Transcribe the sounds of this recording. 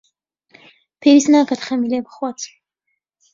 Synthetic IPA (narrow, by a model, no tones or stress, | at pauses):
pʰɛɾisnaːkat̪χɛmilɛmχwat̪sʰ